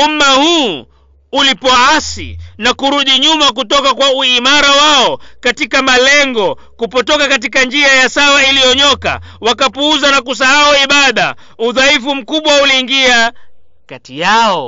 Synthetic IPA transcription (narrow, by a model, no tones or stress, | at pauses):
umahuː | ulipɔasḭnakuɾuɗiɲumakutɔkakwauimaɾawaɔkatikamalɛŋɡɔ | kupɔtɔkakat̬ikand͡ʒiajasawailijɔɲɔka̰wakapuuzanakus̬aauiɓaɗa̰ | uðaifum̩kuɓwauliːŋɡia | katijaɔ